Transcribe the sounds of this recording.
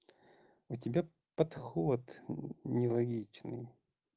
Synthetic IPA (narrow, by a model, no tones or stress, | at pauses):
ʊtʲɪbʲa | pɐt̪xot̪nʲɪlˠɐɡʲit͡ɕnɨ̰j